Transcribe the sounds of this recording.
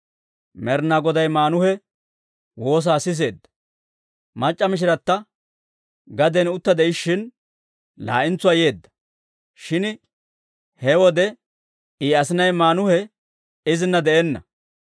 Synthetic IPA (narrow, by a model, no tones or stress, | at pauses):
mɛɾnaɡɔd̪ɐjmaːnʊhɛ | wo̞ːs̬aːsɪs̬e̞ːd̪ːɐ̥ | mɐt͡ʃʼːɐmɪʃ̬ɪɾɐt̪ːɐ | ɡɐd̪ɛnʊt̪ːɐd̪ɛʔɪʃːɪn | la̰ːʔɪnt͡sːʊaːje̞ːd̪ːɐ̥ | ʃɪn | hɛwɔd̪ɛ | iːɐsɪnɐjmaːnʊhɛ | ɪzɪnːɐd̪ɛʔɛnːɐ̰